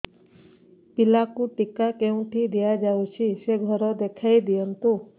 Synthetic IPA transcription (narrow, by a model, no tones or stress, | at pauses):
pilakũʈikakeũʈʰid̪ijad͡ʒaũt͡ʃʰiʃeɡʱɔɾod̪ekʰaid̪ijənt̪ũ